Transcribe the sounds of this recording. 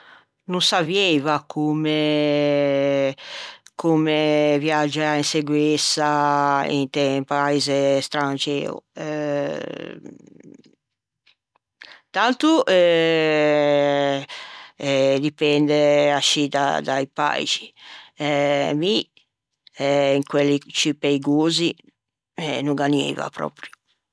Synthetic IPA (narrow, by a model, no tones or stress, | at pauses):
nunsavjejvakʰumɛ | kʰumɛvjad͡ʒːaainseɡwɛsaḭnt̪ɛmpaizɛst̪ɾant͡ʃɛ̰ːṵɛ | t̪ant̪uʔɛ | d̪ipɛnd̪ɛaʃːit̪a̰d̪aipa̰it͡ʃi̥ɛmi | ɛiŋkwelːit͡ʃipeiɡoːzi | ɛnuŋɡanḭːva̰pɾɔ̰ːpɾju